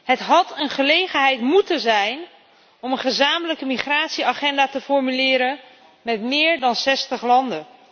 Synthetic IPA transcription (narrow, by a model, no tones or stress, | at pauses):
ɦətɦɑtənχəlejχənɦɛjtmutəzɛjn | ɔmənχəzaːmələkəmiχraːtsiaχɛndaːtəfɔɹmylɪːɾən | mɛtmɪːɹdɑnsɛstəχlɑndən